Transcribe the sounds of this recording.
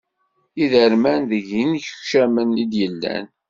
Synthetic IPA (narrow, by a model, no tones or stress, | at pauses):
iðəɾmænðəʝinçə̥çʃæmənid̪jəlːæ̰n